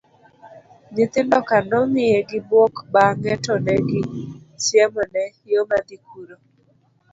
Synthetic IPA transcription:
nɪt̪ɪndɔkandɔmɪjeɡɪbwɔkbaŋɛtɔnɛɡɪt͡ʃjɛmɔnɛɪjomadikʰuɾo

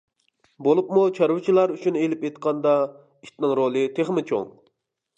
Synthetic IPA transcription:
bolˠup̚mut͡ʃʰɑɾwɨt͡ʃʰilˠɑɾyʃunɪelɪpejt̪qʰɑnd̪ɑ | iʃt̪nɪŋɾolˠɨt̪ʰeχmɪt͡ʃʰo̰ŋ

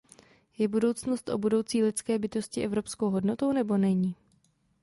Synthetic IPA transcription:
jɛbudo̞wt͡sno̞st̪ʔobudo̞wt͡siːlɪt͡skɛːbɪt̪o̞scɪʔɛvɾo̞psko̞wɦo̞dno̞t̪o̞wnɛbo̞nɛɲiː

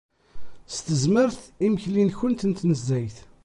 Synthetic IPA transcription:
st̪əzməɾθiməçlinçʊnt̪ənt̪nəzːæjθ

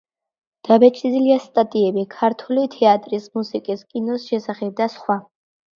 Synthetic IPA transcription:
d̪̥abɛt͡ʃʰʼiziliast̪ʼat̪ʼiɛbikʰaɾt̪ʰulit̪ʰɛat̪ʼɾismusikʼiskʼinɔsʃɛsaχɛb̚d̪asχwa

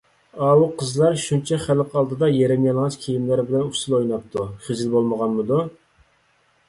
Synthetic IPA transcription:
ɑːwuqʰəzlˠɑɾʃunt͡ʃʰɛχælqʰɑlˠd̪ɨd̪ɑjeɾɛmjɑlˠʁɑt͡ʃkʲʰejimlæɾbɪlɛnusɨlˠojnɑp̚t̪ʰuχɪzɪlbolˠməʁɑnmɨd̪u

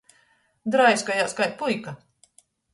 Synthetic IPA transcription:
d̪ɾajskajaːskajt̪̚pujka

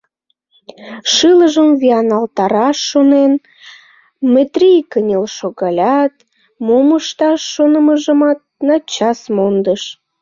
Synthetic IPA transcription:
ʃɨləʒəmviɑnɑlt̪ɑɾɑʃːonen | met̪rʲijkənʲelʃoɣɑlʲɑt̪ | moməʃt̪ɑʃːonəməʒəmɑt̪̚nɑt͡ɕɑsmond̪əʃ

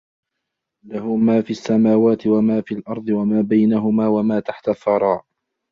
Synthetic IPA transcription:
laɦʊmaːfiːasːamaːwaːt̪ɪwamaːfilʔɑɾˤd̪ˤɨwamaːbajnaɦʊmaːwamaːt̪aħt̪aθːɑɾˤɑːʔ

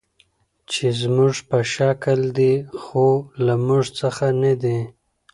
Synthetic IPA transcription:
t͡ʃezmuʐpəʃakəld̪ixolamuʐt͡səxanad̪e

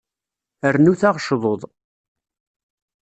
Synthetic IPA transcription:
əɾnuθaʁʃðˤoðˤ

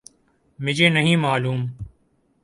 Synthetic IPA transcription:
mɪd͡ʒeːnəɦĩːmaːluːm

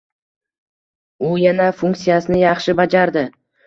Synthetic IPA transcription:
ʊjanafuŋk̪sijasɪnɪjɑχʃɪbad͡ʒaɾd̪ɪ

